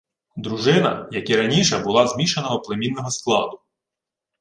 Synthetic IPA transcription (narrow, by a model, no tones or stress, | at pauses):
d̪ɾuʒɪnɐ̰jɐkiɾɐnʲiʃɛbʊlˠɑzmʲiʃenɔɦɔplemʲinːɔɦɔsklˠɑ̰d̪ʊ